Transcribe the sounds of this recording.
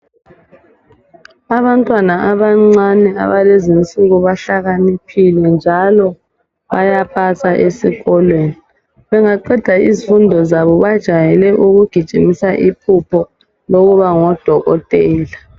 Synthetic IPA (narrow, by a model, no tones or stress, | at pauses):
aβantʼwanaʔaβaŋ͡ǀanɛa̰βalezint͡sʼiɣuβaɬaɣanipʰilɛnd͡ʒʱalɔ | βajapʰatʰaʔesiɣɔlweːni | βɛŋaǃɛd̥ʱaḭzifundʱɔzaβɔβad̥ʒ̥ʱajɛlɛʔuɣuɡ̥ʱid̥ʒ̥ʱimisaʔipʰupʰɔ | loɣuβaŋɔd̥ʱɔɣɔ̰tʼɛːla